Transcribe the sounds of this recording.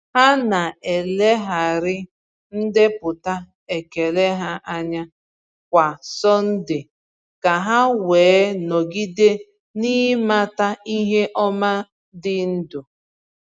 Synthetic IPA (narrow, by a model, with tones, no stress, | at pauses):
ha˦na˨e˨le˦ɦa˨ɾɪ˦ | n̩˦dɪ˦pʊ˨ta˦ | e˨ke˨le˦ɦa˦ʔa˦ɲa˦ | kʷa˨sɔ˦n̩˦dɪ˨ | ka˨ɦa˦weː˨˦nɔ˨ɡi˦de˦ | niː˦ma˦ta˦i˦ɦe˦ʔɔ˦ma˦ | dɪ˦n̩˦dʊ˨